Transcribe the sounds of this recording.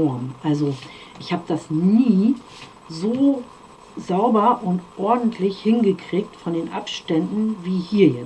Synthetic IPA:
ɔɐmʔalzoʔɪçhaːbəd̥asnniː | zoː | zaʊbɐʔʊntʔɔɐdn̩tʰlɪçhɪnɡəkʁ̥iːk̚tfɔndeːnʔapʃtɛndn̩viːhiːɐjɛt͡s

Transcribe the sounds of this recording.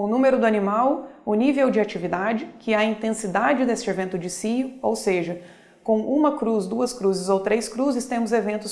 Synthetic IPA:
ʊnũmeɾʊd̪ʊɐnimawʊnivewd͡ʒɪat͡ʃivid̪ad͡ʒɪkɪɐĩnt̪ẽsid̪ad͡ʒɪd̪est͡ʃɪevẽnt̪ʊd͡ʒɪsiʊowseʒɐ | kõw̃ʔũmɐkɾuzd̪uɐskɾuzɪzowt̪ɾeskɾuzɪst̪ẽmʊzevẽnt̪ʊs

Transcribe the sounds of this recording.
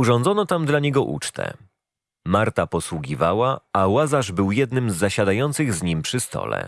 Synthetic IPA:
uʐɔnd̪zɔnɔt̪amd̪laɲɛɡɔʔṵt͡ʂt̪ʰɛ̰ | maɾt̪apɔswuɡʲivawaawazaʐbɘwjɛd̪nɘmzːaɕad̪ajɔnt̪sɘɣzɲimpʂɘst̪ɔ̰lɛ̰

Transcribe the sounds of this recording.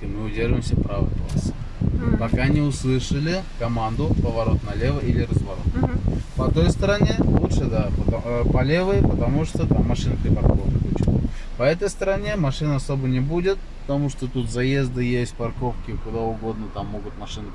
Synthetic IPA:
mɨʊdʲeʐəvɪmsʲəpɾavə̰klˠa̰sɨ̥ | pɐkanʲɪʊslˠɨʂəlʲɪkɐmand̪ʊpəvɐɾo̞t̪nɐlʲe̞vəʔilʲɪɾəzvɐɾo̞̰t̪pɐt̪o̞jst̪əɾɐnʲelˠut̪ʂɨd̪apəpɐlʲe̞vəjpət̪ɐmuʂt̪ot̪amːɐʂɨnəpʲɾʲɪpɐrkovk̪ʲəpʊt͡ɕɪṵ | pɐɛt̪əjst̪əɾɐnʲe̞mɐʂɨnəɐso̞bənʲɪbudʲɪt̪̚pə̥t̪ɐmuʂt̪ot̪ut̪zɐjezd̪ɨjesʲt̚ʲpɐrko̞fkʲɪkʊd̪aʊɡo̞d̪nət̪amːo̞ɡʊt̪mɐʂɨnɨ

